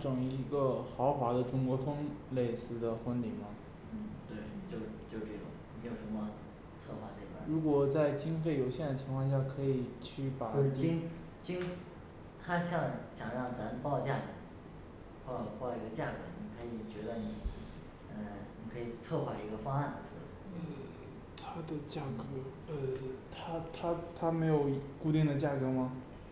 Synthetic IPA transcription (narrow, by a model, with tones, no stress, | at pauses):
ʈ͡ʂʊ˨˩ŋi˧˥ɡə˥˧xɑ˧˥ʊxwa˧˥d̪ə˧ʈ͡ʂʊ˥ŋkwɔ˧˥fɤ˥ŋle˥˩ɪsɹ̩˥˩d̪ə˨xwə˥nli˨˩˦mɐ˦ | n̩˥˩t̪we˥˩ɪ˨˩t͡ɕjo˥˧ʊt͡ɕjo˥˧ʊʈ͡ʂɤ˥˩jʊ̰˨˩˦ŋni˧˥jo˨˩ʊʂə˧˥mə˧ | t͡sʰɤ˥˧xwa˥˩t̪we˥˩ə˨˩ɻu˧˥kwɔ˨˩t͡sa˥˩ɪt͡ɕi˥ŋfe˥˩ɪjo˨˩ʊɕjɛ˥˩nd̪ə˩t͡ɕʰi˧˥ŋkʰwɑ˥˧ŋɕ̬ja˥˩kʰɤ˧˥i˨˩t͡ɕʰy˥˩pa˨˩˥t̪t͡ɕi˥ŋ | t͡ɕi˥ŋf | t̪ʰa˥ɕjɑ˥˧ŋɕjɑ˨˩ŋɻɑ˥˩ŋt͡sa˧˥npɑ˥˧ʊt͡ɕja˥˩ni˨˩˨ | xwɑ˥˩˧xwa˥˩i˧˥ɡə˧t͡ɕja˥˩kɤ˧˥ni˨˩kʰɤ˧˥i˨˩t͡ɕɥɛ˧˥d̪ə˧ni˨˩ | ə˧˩ni˨˩kʰɤ˧˥i˨˩t͡sʰɤ˥˧xwa˥˩i˧˥ɡə˧fɑ˥ŋa˥˩n̩˥˩˥ə˥˩ | t̪ʰa˥d̪ə˨t͡ɕja˥˩kɤ˧˥ | ə˧˩t̪ʰa˥t̪ʰa˥t̪ʰa˥me˧˥ɪjo˨˩ʊku˥˧t̪̬i˥˩ŋd̪ə˩t͡ɕja˥˩kɤ˧˥mɐ˧